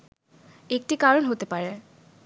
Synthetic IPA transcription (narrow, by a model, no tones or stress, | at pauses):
ek̚ʈikaɾonɦot̪epaɾe